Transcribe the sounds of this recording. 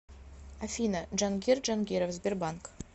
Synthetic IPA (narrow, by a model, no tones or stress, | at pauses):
afʲinaʒanɡʲerd͡ʒanɡʲeɾofzbʲerbaŋk